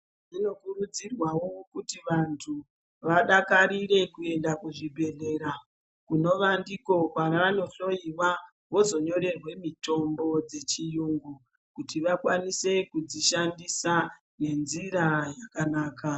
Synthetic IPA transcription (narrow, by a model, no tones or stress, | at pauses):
ʐino̞kurud͡zirwawokutiʋantʰu | ʋaɗakaɾiɾe̞kue̞ndakuʐibʱe̞ɮe̞ɾa | kuno̞ʋandiko̞kwanaʋano̞ɬo̞iwa | wo̞zo̞ɲo̞ɾe̞rwe̞mito̞mbo̞d͡ze̞t͡ʃijuːŋɡu | kutiʋakwanise̞kud͡ziʃandisa | ne̞nziɾajakanaːka